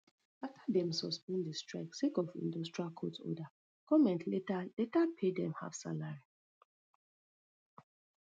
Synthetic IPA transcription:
aftadɛ̃msɔspĩndistɹa̰ksekɔvḭ̃ndɔstɹialkʰɔtɔ̰da | kɔmɛ̃ntʰletaletapʰedɛ̃mha̰v̥sa̰laɹi

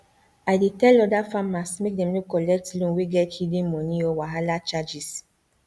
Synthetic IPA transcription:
aɪdetɛlɔdafamasmek̚dɛ̃mnukɔlɛk̚tlũwiɡɛthidĩmmɔniɔwaɦalat͡ʃad͡ʒis

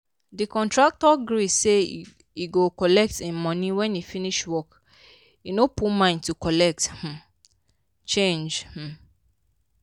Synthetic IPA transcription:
dikɔ̃ntɹak̚tɔɡɾise | iɡokɔlɛk̚temɔ̃nĩwɛ̃nifiniʃwɔk | inopumãɪ̃ntukɔlɛk̚th̩ | t͡ʃẽnd͡ʒh̩

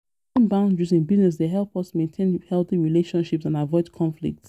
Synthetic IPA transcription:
ɔ̃nbãʊ̃ndɹisĩnbiznɛs̬deɦɛlˠpʌsmẽntʰẽnhɛlˠθiɹileʃɔ̃nʃipsãnavɔɪdkʰɔ̃ɱflḭk̚ts

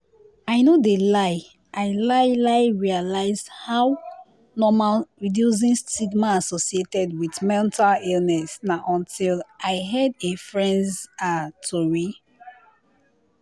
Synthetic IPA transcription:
aɪnodelaɪ | ʔaɪlaɪlaɪɹialaɪzhaw | nɔmalɹidjus̬ĩnstiɡmaasɔsietɛdwidmɛ̃ntalilnɛsnaʔɔ̃ntʰilʔaɪɦɛdefɹɛ̃ndatʰoɹi

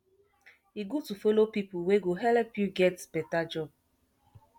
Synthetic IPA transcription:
iɡutufolopipuweɡoɦɛlpjuɡɛtb̥ɛtad͡ʒɔb̚

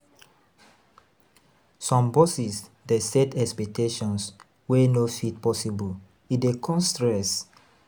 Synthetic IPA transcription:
sɔ̃mbɔsis | dɛsɛtɛkspɛk̚tʰeʃɔ̃ns | wenofitpɔsibul | idekʰɔ̃nstɹɛs

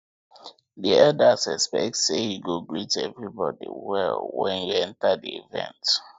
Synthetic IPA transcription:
diɛldasɛspɛk̚tsejuɡoɡɹitɛvɹibɔdḭwɛlwɛ̃njuɛ̃ntadiivɛ̰̃nt

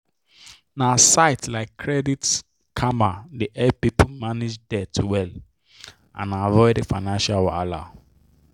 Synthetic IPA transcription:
nasaɪtlaɪkʰːɹɛdit | kʰamadiʔɛpipʰumanid͡ʒdɛtʰuwɛl | ã̰navɔɪdefaɪnãnʃalwala̰

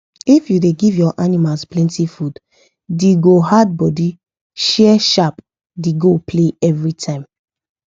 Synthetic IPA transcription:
ifjudeɡivjɔʔanimasplɛ̃ntifud | diɡoɦad̚bɔdi | ʃɛʃap | diɡopʰleɛvɹitʰãɪ̃m

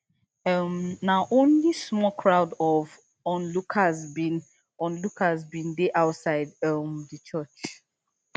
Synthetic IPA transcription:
ʌmnaʔõnlismɔkʰɹaʊdɔv | ɔ̃nlukʰazbin | ɔ̃nlukazbĩndeʔaʊtsaɪdmdət͡ʃɜt͡ʃ

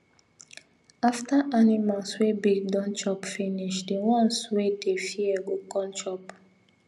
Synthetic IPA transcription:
aftaʔanimãswebiɡdɔ̃nt͡ʃɔpfiniʃdiwɔ̃nswedefiɛɡokɔ̃nt͡ʃɔp

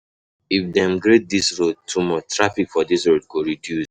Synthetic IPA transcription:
ifdɛ̃mɡɹet̚disɹod̚tʰumɔt͡ʃtɹafikfɔdisɹod̚ɡoɹidjus

